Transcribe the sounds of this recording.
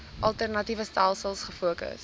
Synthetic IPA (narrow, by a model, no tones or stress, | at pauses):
ʔɐlˠtərnɐtivəstælˠsəlˠsχəfuəkə̰s